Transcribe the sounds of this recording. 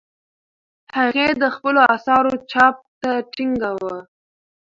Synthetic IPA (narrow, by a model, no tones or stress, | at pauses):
haɣed̪əxpəloasɑɾot͡ʃɑp̚t̪aʈiŋɡawə